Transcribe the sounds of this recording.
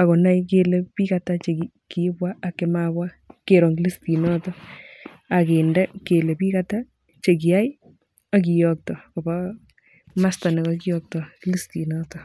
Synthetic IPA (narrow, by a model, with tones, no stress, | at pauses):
a˨ko˨na˦jke˦le˦pi˦ka˦ta˦t͡ʃe˨ki˨ | ki˨˦bwa˦a˨kːe˦mabwa˦ke˨ɾɔ˨ŋɡi˦li˦sti˨nɔ˦tɔ˦ | a˨ke˨ndɛ˦ke˨le˨pi˦kata˦ | t͡ʃe˨k̬i˨a˦i˦ | a˦k̬i˨jɔk̚tɔ˨ko˨ba˦ | ma˦sta˨ne˨kɔki˦jɔ˦k̚tɔ˨kli˦sti˨nɔ˦tɔ˨